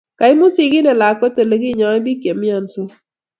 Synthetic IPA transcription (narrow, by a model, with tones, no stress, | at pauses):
ka˨ɪ˦mo˦sɪ˦ɡɪ˦nɛ˨la˨kwɛ˦to˨lo˦ɡɪ˦˨ɲɔ˨˦ɛ˦bi˦kje˨mja˨nso˦